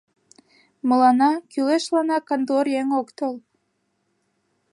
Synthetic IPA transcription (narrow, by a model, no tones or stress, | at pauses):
məlɑnɑkyleʃlɑnɑkɑnd̪orjeŋokt̪ol